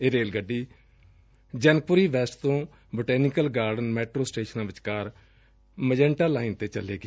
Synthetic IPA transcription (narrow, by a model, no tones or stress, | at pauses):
eːɾeːlɡəɖːiː | d͡ʒənpʊɾiːʋɛːsʈt̪õː | boʈɛːnɪkəlɡaːɾɖənmɛːʈɾoːsʈeːʃənãːʋɪt͡ʃkaːɾ | məd͡ʒɛ̃ːɳʈaːlaːɪnt̪eːt͡ʃəleːɡe